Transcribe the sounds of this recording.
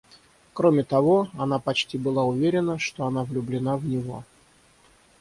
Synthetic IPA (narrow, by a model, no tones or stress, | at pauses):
kɾo̞mʲɪt̪ɐvo̞ɐn̪apɐt͡ɕtʲibɨlˠaʊvʲeɾʲɪnəʂt̪o̞ɐnavlʲʊblʲɪnavnʲɪvo̞̰